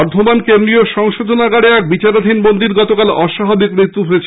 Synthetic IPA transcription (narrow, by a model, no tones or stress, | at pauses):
ɾd̪ʱomankend̪ɾioʃɔŋʃod̪ʱonaɡaɽeɛk̚bit͡ɕaɾad̪ʱinbond̪iɾɡɔt̪okalɔʃaɦabikmɾit̪ːuɦoet͡ɕʰ